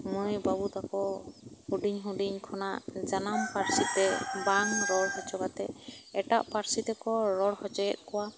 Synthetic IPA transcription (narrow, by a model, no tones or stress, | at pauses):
mɔ̃ɔjbabut̪akɔhuɖiɲɦuɖiɲkʰɔnaʔd͡ʒanampaɾsit̪ɛbanɾɔɽɦɔt͡ʃɔbat̪ɛɛʈaʔpaɾsit̪ɛkɔɾɔɽhɔt͡ʃɔɡɛt̪̚ˀkɔwa